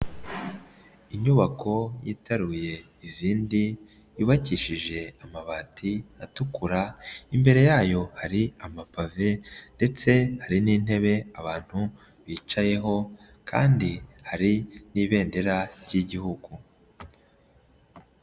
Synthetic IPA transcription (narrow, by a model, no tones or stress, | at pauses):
iɲuβakʰo̞jḭːtʰaɾuje̞iziːndi | jiβaciʃiʒe̞amaβaːtʰiatukuɾaimbe̞ɾe̞jaːjo̞haɾiamapave̞nde̞t͡se̞haɾiniːn̥e̞βe̞aβaːn̥hu | βiːt͡ʃaje̞ɦo̞ | kʰa̰ːndihaɾiniːβe̞ːnde̞ɾaɾjiɟihuɡu